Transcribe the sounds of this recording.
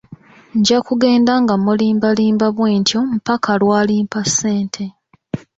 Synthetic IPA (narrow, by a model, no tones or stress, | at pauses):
ɲɟakuɡe̞ːndaŋɡamuliːmbaliːmbaβwe̞ːntjomupakʰalwaːliːmpase̞ːntʰe̞